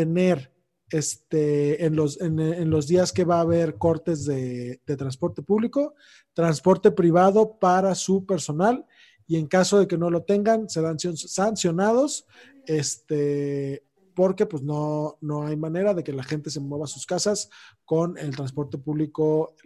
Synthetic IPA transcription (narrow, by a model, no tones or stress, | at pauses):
t̪e̞ne̞ɾ | est̪eːnlo̞senenlo̞zðiaske̞βaːβe̞ɾko̞ɾt̪e̞zðe̞ðe̞t̪ɾanspo̞ɾt̪e̞puβliko̞ | t̪ɾanspo̞ɾt̪e̞pɾiβ̞aðo̞paɾasupe̞ɾso̞nal | ie̞ŋkaso̞ð̞e̞ke̞no̞lo̞t̪e̞ŋɡanse̞ðansjonsansjo̞nað̞o̞s | e̞st̪e | po̞ɾke̞pwezno̞no̞ajmãne̞ɾaðe̞ke̞laxe̞nt̪e̞s̬e̞mwe̞β̞asuskasasko̞ne̞lt̪ɾanspo̞ɾt̪e̞puβliko̞